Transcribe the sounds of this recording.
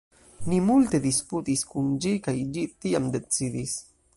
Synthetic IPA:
nimult̪e̞d̪isput̪iskund͡ʒikajd͡ʒit̪iamd̪e̞t͡sid̪is

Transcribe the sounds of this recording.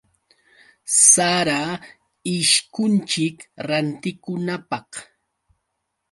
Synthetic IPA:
saɾa | ɪʃkʊnt͡ʃɪkɾant̪ɪkʊnapɑh

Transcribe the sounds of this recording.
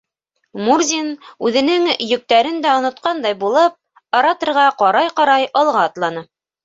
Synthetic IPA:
murzʲinʉðɘ̆nɘŋjɵ̆k̚t̪æɾɘnd̪æŏnŏt̪qɑnd̪ɑjbulˠɤp̚ | ɑɾɑt̪ɤ̆ɾʁɑqɑɾɑjqɑɾɑjɑlˠʁɑːt̪lˠɑnɤ

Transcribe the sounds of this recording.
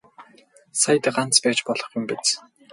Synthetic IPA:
sajt̪ə̆ɢan̥t͡spæːt͡ɕpɔɮɞ̆χjʊmpet͡s

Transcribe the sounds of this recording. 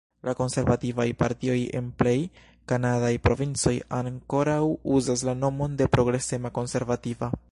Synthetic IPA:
lako̞nse̞ɾvativajpa̰ɾtio̞je̞̰nple̞j | kanadajpɾo̞vint͡so̞jaŋko̞ɾawuzas̬lano̞mo̞nde̞pɾo̞ɡɾe̞se̞mako̞nse̞ɾvativa

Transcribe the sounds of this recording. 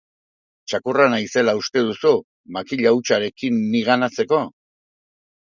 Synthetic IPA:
t͡ʃakuranajse̞laust̪e̞ðusu | makiʎaut͡ʃaɾe̞kinːiɣanat͡se̞ko̞

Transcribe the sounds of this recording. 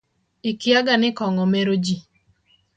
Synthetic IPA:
ɪkɪaɡanɪkɔŋɔmeɾod͡ʒi

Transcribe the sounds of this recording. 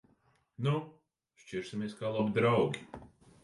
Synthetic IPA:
nu | ʃt͡ʃiɾsimʲeɛskaːlˠɔbid̪ɾawɡʲi

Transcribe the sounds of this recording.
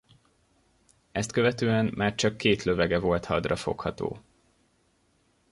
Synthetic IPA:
ɛst̪køvɛt̪øːɛmmʔaːrt͡ʃɒkːeːt̪lø̞vɛɡɛvo̞lt̪hɒd̪rɒfo̞̰khɒt̪o̰ː

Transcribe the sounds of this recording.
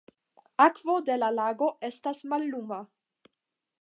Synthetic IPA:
akvod̪elalaɡo̞estasmalːuma

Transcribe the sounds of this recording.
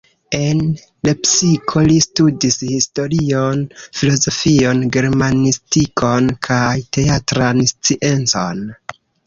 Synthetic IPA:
e̞n | le̞psikʰo̞listudishisto̞ɾionfilo̞zo̞fio̞nɡe̞ɾmanistikʰo̞nkʰajte̞atɾanst͡siʔe̞nt͡so̞̰n

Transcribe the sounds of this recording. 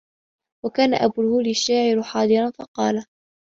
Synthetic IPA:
wakaːna̰ʔabuːlhuːliʃːaːʕɪɾħɑːd̪ˤɨɾˤɑnfɑqɑːla

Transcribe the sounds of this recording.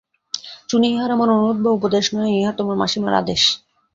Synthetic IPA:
t͡ɕuniiɦaɾamaɾonot̪̚bʱaupod̪eʃnɔeiɦat̪omaɾma̰ʃima̰ɾa̰d̪eʃ

